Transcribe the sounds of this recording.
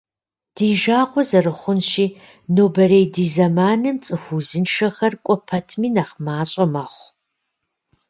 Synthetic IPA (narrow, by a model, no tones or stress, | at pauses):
d̥iːʒaːʁʷɔzɐrɨχʷʊnʃiː | noːbɐreːjdiːzɐmaːnɨmt͡sʼɨxʷuzɨnʂɐxɐrkʷʼɔpʰɐtʰmiːnɐχmaːɕʼɐmaːχʷ